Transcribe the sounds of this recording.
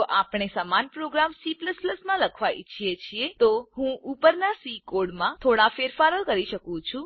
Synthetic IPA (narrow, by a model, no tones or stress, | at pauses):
oʔapɳ̃esamanpɾoɡɾamsipləspləsmãləkʰʋaḭt͡ʃʰiet͡ʃʰiet̪oɦũupəɾnasikoɽmãt̪ʰoɽafeɾfaɾəlkəɾiʃəkũt͡ʃʰũ